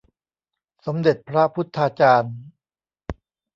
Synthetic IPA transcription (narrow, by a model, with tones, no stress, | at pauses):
so˩˦mde˨˩t̪̚pʰɾa˦˥pʰu˦˥t̪ʰːaː˧t͡ɕaː˧n